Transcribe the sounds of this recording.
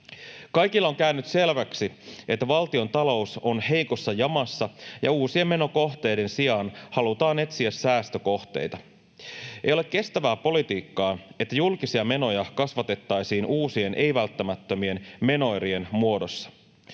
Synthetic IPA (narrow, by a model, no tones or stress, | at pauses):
kɑjkilːɑoŋkæynːyt̪se̞lʋæksie̞t̪ːæʋɑlt̪io̞nt̪ɑlo̞uso̞nhe̞jko̞sːɑjɑmɑsːɑjɑ̰uːsie̞me̞no̞ko̞xt̪e̞jde̞nsiɑnhɑlut̪ɑːne̞t̪siæsːæːst̪øko̞ht̪e̞̰jt̪ɑ | ejolekkːe̞st̪æʋæːpo̞lit̪iːkːɑːet̪ːæjulkisiɑme̞no̞jɑkɑsʋɑt̪e̞t̪ːɑjsiːnʔuːsie̞nʔe̞jʋælt̪ːæmæt̪ːømie̞nme̞no̞jɾie̞nmuo̞do̞sːɑ̥